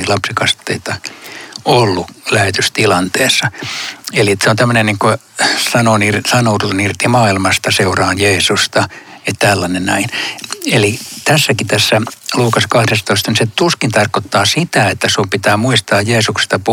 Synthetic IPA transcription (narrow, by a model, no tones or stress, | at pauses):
lɑpsikɑst̪ːeit̪ɑ | olːulæhet̪yst̪ilɑnt̪eːsːɑeliet̪seont̪æmːønenniːŋko | sɑnonirsɑnotunirt̪imɑːilmɑst̪ɑseurɑːnjeːsust̪ɑett̪ælːɑnennæinelit̪æsːækit̪æsːæluːkɑskɑhɾest̪oist̪ɑniset̪uskint̪ɑrkot̪ːɑːsit̪æet̪ːæsumpit̪æːmuist̪ɑːjjeːsukse̥st̪ɑpu